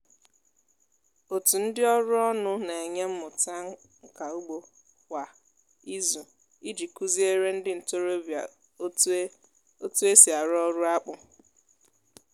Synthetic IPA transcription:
o˨tu˨n̩˦dɪ˦ɔ˦ɾʊ˦ɔ˦nʊ˦na˨e˨ɲe˦m̩˦mʊ˨ta˦ | ŋ̩˨ka˨u˦ɡ͡bo˨ | kʷa˨ | i˦zu˨ | i˦d͡ʒi˨ku˦zi˦e˦ɾe˦n̩˦dɪ˦n̩˨to˦ɾo˦˨˦ | o˦tu˦e˦si˨a˨ɾɔ˦ɾʊ˦a˦k͡pʊ˨

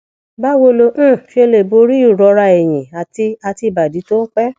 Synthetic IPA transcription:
ba˦wo˧lo˧ʔ̩˦˨fi˧˦e˧le˨bo˧˦ɾi˦u˦˨ɾɔ˧˦ɾa˧e˨j̃ĩ˨a˨ti˧a˧ti˧i˨ba˨di˨˦to˦k͡pɛ˦

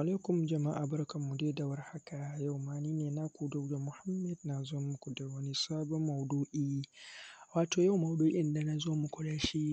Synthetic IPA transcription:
ʔa˨laː˦kʷʊ˨md͡ʒɐ˨ma˦ʔa˨bɐ˦rkɐ˨mːu˨de˦da˨wɐ˦rha˦ka˨ja˦˨wmaː˦niː˦neː˨na˦kʷu˨dɔ˦wda˨mʊ˨ha˦mːɛ˨dna˨zoː˦mʊ˦kʷu˨da˨wɐ˦ni˦saː˦bɔ˦mːɐ˨wduː˦ʔiː˦ | waː˨toː˨ja˦wmɐ˨wduː˦ʔɪ˦nda˨na˨zoː˦mu˨kʷʊ˦ɽaː˦ʃi˦

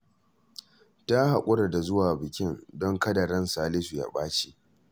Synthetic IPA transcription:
ta˦ha˨kʷʼʊ˦ɾa˨da˨zʊ˦waː˨bɪ˨kʲɪ˦ndɔ˦ŋkɐ˦da˨ɾɐ˦nsaː˨lɪ˦su˨ja̰˦ɓaː˦t͡ʃi˦˨ʔ

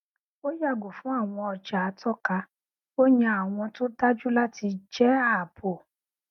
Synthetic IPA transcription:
o˦ja˦˨ɡo˨fũ˨˦a˦˨w̃ɔ̃˧ɔ˧d͡ʒa˨a˨˧tʰɔ˦ka˧ | o˦jã˧a˨w̃ɔ̃˧to˦ta˦d͡ʒu˦la˦ti˧d͡ʒɛ˦a˦˨pʰo˨

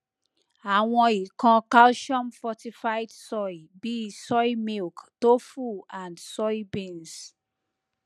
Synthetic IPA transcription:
a˨wɔ̃˦i˨kʰɔ̃˨˦ka˦lʃɔ̃˦nfɔti˨faɪdsɔ˦jbi˨i˨sɔ˦jmi˦lkto˦fu˨ã˨ndsɔ˦jbẽ˦˨ns

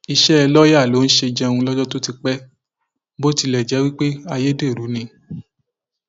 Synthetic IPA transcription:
i˧ʃɛ˦˧lɔ˦ja˦˨lo˨˦n̩˦ʃe˧d͡ʒɛ̃˧ũ˧lɔ˦d͡ʒɔ˦to˦ti˧k͡pɛ˦ | bo˦ti˧lɛ˨d͡ʒɛ˨˦wi˦k͡pe˦a˧je˦de˦˨ɾu˨˦nĩ˧

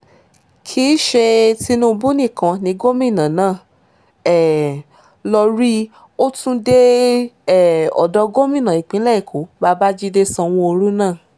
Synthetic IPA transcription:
kʰi˦ʃe˧ti˧nũ˦˧bũ˦nĩ˦˨kã˨nĩ˨˧˦ɡo˦mĩ˦˨nã˨nãː˦˨ | ɛ˦˨ | lɔ˧ɾi˦ | o˦tũ˦de˦˨ | ɔ̰˨dɔ˧˦ɡo˦mĩ˦˨nã˨i˨k͡pĩ˨˦lɛ˦i˦˨kʰo˨˦ba˧ba˦d͡ʒi˦de˦sɔ̃˧w̃ɔ̃˧o˧ɾu˦nãː˦˨

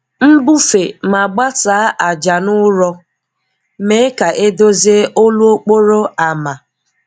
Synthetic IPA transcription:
m̩˦bu˦fe˨ma˨ɡ͡ba˦saː˨˦ʔa˨d͡ʒa˨nʊ˦ɾɔ˦ | me˦ka˨ʔe˦do˦ze˦o˦lu˦o˦k͡po˦ɾo˦a˨ma˨

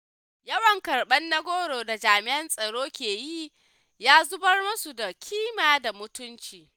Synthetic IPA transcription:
jɐ˦wɐ˨ŋkɐ˨rɓɐ˦nːɐ˦ɡʷoː˦ɽoː˨da˨d͡ʒaː˨mɪ˦ʔɐ˦nsʼɐ˨ɽoː˦kʲeː˨ji˦ | jaː˦zʊ˦bɐ˦rmʊ˦su˨da˨kʲʰiː˦maː˨da˨mʊ˦tʊ˦nt͡ʃiː˨

